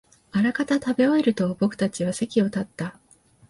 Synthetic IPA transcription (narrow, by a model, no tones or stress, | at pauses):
aɾakat̪at̪abe̞oeɾɯ̟t̪o̞bo̞kɯ̟̥t̪at͡ɕiβ̞ase̞kʲio̞t̪at̪ːa